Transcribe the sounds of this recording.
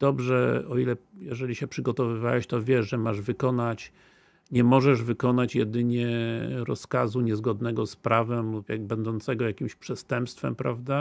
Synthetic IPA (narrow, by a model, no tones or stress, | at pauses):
d̪̥ɔbʐɛ̰ɔ̰ilɛjɛʐɛlʲiɕɛpʂɘɡɔt̪ɔvɘvawɛɕt̪ɔvʲjɛʂʐɛmaʐvɘkɔnat͡ɕ | ɲɛmɔʐɛʐvɘkɔnat͡ɕjɛd̪ɘɲɛɾɔ̰skazuɲɛzɡɔd̪nɛɡɔspɾavɛmlupjabɛnd̪ɔnt̪sɛɡɔjakʲimɕpʂɛst̪ɛmpst̪fɛ̰mpɾavd̪a